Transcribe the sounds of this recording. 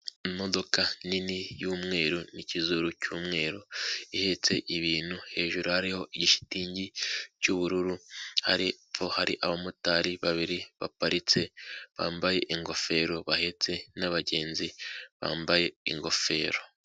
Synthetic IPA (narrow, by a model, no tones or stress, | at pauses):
mo̞do̞kaninijuːmŋe̞ːɾunicizuɾucuːmŋe̞ːɾoihe̞t͡se̞ʔiβiːn̥huhe̞ːʒuɾohaɾiho̞ʔiɟiʃi̥tiːɲɟicuβuɾuɾuha̰ɾiβohaɾḭʔaβamutaɾiβaβiɾiβa̰paɾit͡se̞βa̰ːmbaje̞ʔiŋɡo̞fe̞ːɾo̞βahe̞t͡se̞naβaɟe̞ːnziβa̰ːmbaje̞iŋɡo̞fe̞ːɾo